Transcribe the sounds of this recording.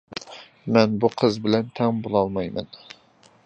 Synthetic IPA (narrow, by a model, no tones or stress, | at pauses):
mɛnbuqʰəzbɪlɛnt̪ʰɛŋbolˠɑlˠmɑjmɛ̰n